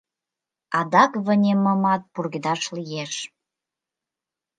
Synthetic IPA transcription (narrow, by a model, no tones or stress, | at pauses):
ɑd̪ɑkβə̆nʲemə̆mɑt̪̚purɣid̪ɑʃlijeʃ